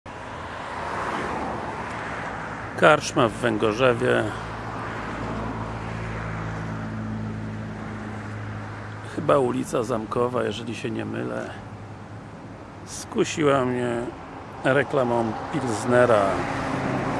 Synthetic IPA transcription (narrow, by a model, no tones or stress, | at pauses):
kaɾʂmavːɛŋɡɔʐɛvʲjɛ | xɘbaulʲit̪sazamkɔvajɛʐɛlʲiɕɛɲɛmɘ̰lɛ̰ | skuɕiwamɲɛ | ɾɛklamɔ̃pʲilznɛɾa